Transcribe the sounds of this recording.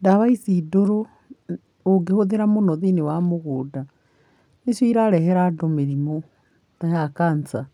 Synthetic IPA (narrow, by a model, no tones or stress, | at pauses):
ndaβaisidoɾo | oɡehoðeɾamonɔðinewamoɣoda | nesoiɾaɾɛɦɛɾadomeɾimo | tajakant͡sa